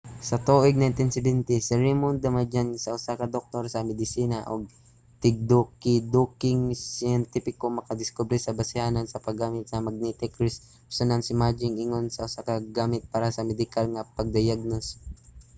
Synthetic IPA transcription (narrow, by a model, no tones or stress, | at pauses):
sɐt̪oːʔɪɡ̚najnt̪ɪnsɛbɛnt̪ɪsɛɾɛmʊnd̪ɐmɐd͡ʒansɐʔʊsakɐd̪ok̚t̪oɾsɐmɛd̪ɪsiːnɐʔo̰ɡ̚ | t̪ɪɡ̚d̪okɪd̪ukɪŋsɪɛnt̪ipɪkomɐkɐd̪ɪskobɾisɐbɐsɪhaːnonsɐpɐɡːaːmɪt̪̚sɐmɐɡ̚nɛt̪ɛkɾs | sɐnansɪmad͡ʒɪŋɪŋonsɐʔʊsakɐɡaːmɪt̪̚paːɾɐsɐmɛd̪ɪkalŋɐpɐɡ̚d̪ɐjaɡ̚nos